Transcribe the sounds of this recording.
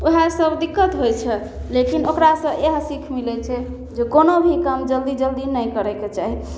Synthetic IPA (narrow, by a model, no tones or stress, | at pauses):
oɦasəbd̪ikːət̪ɦojt͡ʃʰɛ | lekinokɾasə̃eɦsikʰmilɛt͡ʃʰɛ | d͡ʒekonobʱikəmd͡ʒəld̪id͡ʒəld̪inəjkəɾɛket͡ʃaɦi